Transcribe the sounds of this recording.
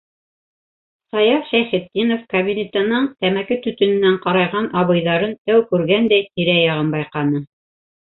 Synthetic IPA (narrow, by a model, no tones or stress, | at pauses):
sɑjɑfʃæjχɘ̆t̪̚ːinofkɐβʲinʲet̪ɤ̆nɤɴt̪æmækɘt̪ɵ̆t̪ɵ̆nɘ̆næɴqɑɾɑjʁɑnʔɑβɤ̆jðɑɾɤnt̪æwkʉɾɡænd̪æjt̪iɾæjɑʁɤnbɑjqɑnɤ